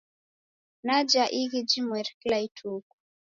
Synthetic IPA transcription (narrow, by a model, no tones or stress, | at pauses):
nad͡ʒaʔiɣid͡ʒimwɛɾklaitʰuku̥